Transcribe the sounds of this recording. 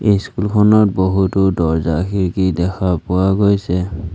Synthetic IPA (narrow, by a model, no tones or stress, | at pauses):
ejskulkʰɔnɔt̚boɦutʊdɔɹzakiɹkidɛkʰapʊaɡojsɛ